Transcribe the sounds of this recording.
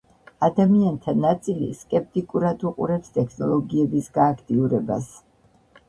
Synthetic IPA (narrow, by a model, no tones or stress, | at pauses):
ad̪amiant̪ʰanat̪sʼilḭskʼɛp̚t̪ʼikʼuɾad̪uqʼṵɾɛpst̪ʼɛkʰnɔlˠɔɡiɛbisɡaːkʰt̪ʼiuɾɛba̰s